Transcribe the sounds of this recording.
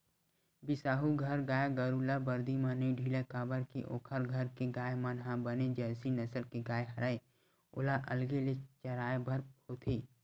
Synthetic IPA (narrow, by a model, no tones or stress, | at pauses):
bɪsaːɦuɡʱɐɾɡaːjaɡəɾulabəɾd̪imãnəiɖʱiːlekaːbəɾkeʔo̰ːkʰəɾɡʱəɾkeɡaːemənɦabəned͡ʒɛːsinɐsəlkeɡaːjeɦɐɾaːe | ʊ̰laʔɐlɡelet͡ʃəɾaːebɐɾoːt̪ʰeː